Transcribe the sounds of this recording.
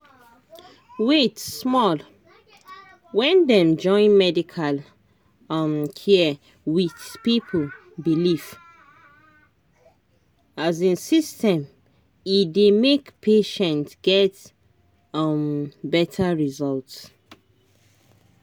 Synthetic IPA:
wetsmɔl | wɛ̃ndɛ̃md͡ʒɔ̃ɪ̃nmɛdikʰal | mkʰi | wiθpipʰəl | bilif | azĩnsistɛ̃m | idemekpʰeʃɛ̃ntɡ̥ɛt | mbɛtʰaɹizɔlts

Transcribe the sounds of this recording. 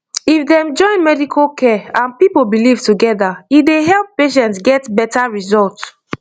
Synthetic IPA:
ifdɛ̃md͡ʒɔ̃ɪ̃nmɛdikʰokʰɛãnpipobilivtuɡɛðaideɦɛlpːeʃ̬ɛ̃ntsɡɛtbɛtaɹizɔlt

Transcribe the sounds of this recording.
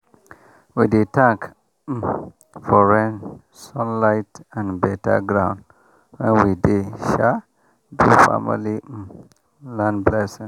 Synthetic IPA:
widitãŋk | fɔɹɛ̃n | sɔ̃nlaɪtãnbɛta̰ɡɾãʊ̃n | wɛ̃nwideʃa | dufa̰mḭli | lãnblɛsĩn

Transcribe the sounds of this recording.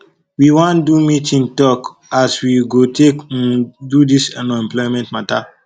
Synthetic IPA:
wiwãndumitĩntɔk | aswiɡotʰekdudisanɔ̃ɛ̃mplɔimɛ̃ntmata

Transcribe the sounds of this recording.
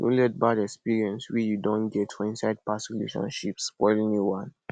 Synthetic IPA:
jṵ̃lɛt̚badɛkspiɹiɛ̃nswijudɔ̃nɡɛtfɔĩnsaɪd̚patikulḛʃɔ̰̃nʃipspɔɪlĩŋliwãn

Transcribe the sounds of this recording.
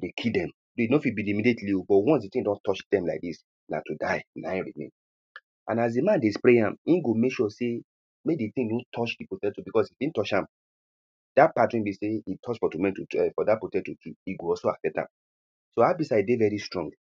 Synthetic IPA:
dekʰildɛ̃m | doinofibilimidetliobɔtwɔ̃nsditĩŋdɔ̃ntɔt͡ʃdɛ̃mlaɪk̚dis | na̰tudaɪnãɹimḛ̃n | ʔã̰nas̬dimãndespɹeãmĩnɡomekʃɔse | meditĩŋdõtʰɔt͡ʃdipotɛtobikɔsifĩntɔt͡ʃãm | d̥apatɹĩmbiseitʰɔt͡ʃfɔtumɛ̃ntuɛfɔdapotɛtukʰiiɡoɔsoa̰sɛp̚tã̰m | soabisaidevɛɹistɹɔ̃ŋɡ

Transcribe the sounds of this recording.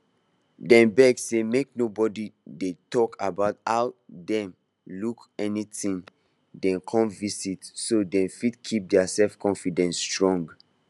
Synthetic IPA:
dɛ̃nbɛɡsemek̚nobɔdidetɔkʰabaʊtaʊdɛ̃m | lukɛnitĩn | dɛ̃nkʰɔ̃mvisitsodɛ̃nfidkʰip̚dɛasɛlfkʰɔ̃nfidɛ̃nsːtɹɔ̃ŋɡ

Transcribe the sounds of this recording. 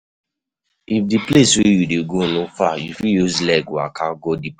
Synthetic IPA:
ifdipleswejudeɡolõfajufijuzlɛkwa̰kaɡodip

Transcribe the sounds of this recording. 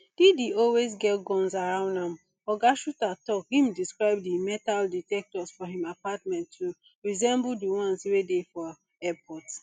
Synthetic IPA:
d̥idiɔlwezɡɛtɡɔ̃nsaɹãʊ̃ndãm | ɔɡaʃutatɔkhĩmdiskɹaɪb̚dimɛtalditɛk̚tɔsfɔɦĩmapatmɛ̃ntːu | ɹizɛ̃mbudiwãnsiwedefɔ | ɛpʰɔt

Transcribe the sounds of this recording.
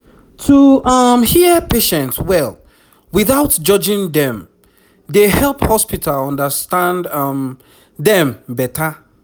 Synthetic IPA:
tʰuʌmhiəpeʃɛ̃ntswɛlˠ | wiθaʊtd͡ʒɔd͡ʒĩŋdɛ̃m | dehɛlˠphɔspitʰalɔ̃ndəstãndm | dɛ̃mbɛtʰa

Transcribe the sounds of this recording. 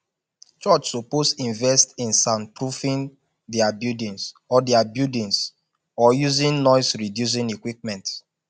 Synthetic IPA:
t͡ʃɔt͡ʃsoposĩɱvɛstĩnsãnpɹufĩn | dɛabjudĩns | ɔdɛabjudĩns | ɔjuzĩnnɔɪsɹidjus̬ĩnekwip̚mɛ̃nt

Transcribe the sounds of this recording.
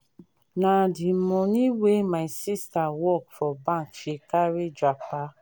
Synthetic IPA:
nãdimɔ̃nĩwemasistawɔkfɔbãkʃekaɾed͡ʒak͡pa

